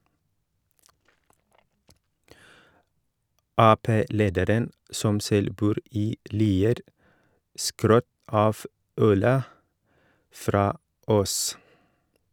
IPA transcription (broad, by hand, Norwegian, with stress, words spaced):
ˈɑːˌpeː ˈleːdəɾən ˈsɔm ˈsɛl ˈbuːɾ ˈiː ˈliːəɾ ˈskɾœt ˈɑːf ˈœlə ˈfɾɑː ˈʔoːs